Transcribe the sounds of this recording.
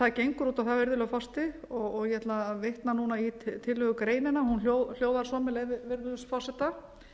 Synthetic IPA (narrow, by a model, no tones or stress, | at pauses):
t̪acejŋkɾuːt̪awθavɪɾðʏlœɣfast̪ɪɔɣɔɣjɛɛt̪lavejht̪nanuːnait̪ʰɪlːʏɣʏkɾeːjnɪnːahunljowl̥joːwðaɾ̥sɔːmɪlevɪvɪɾðʏsfasɛt̪a